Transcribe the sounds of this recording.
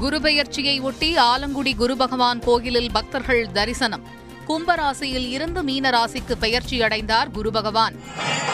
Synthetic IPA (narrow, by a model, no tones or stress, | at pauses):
ɡʊɾʊpɛjɐɾt͡ʃɪjɐɪɔʈːiaːlɐŋɡʊɽiɡʊɾʊbɐɣɐʋaːnkoːjɪlɪlbɐk̚t̪ɐɾɣɐɭd̪ɐɾɪsɐnɐm | kʊmbɐɾaːsɪjɪlɪɾɯnd̪ɯmiːnɐɾaːsɪkːɯpːɛjɐɾt͡ʃijɐɽɐɪnd̪aːɾɡʊɾʊbɐɣɐʋaːn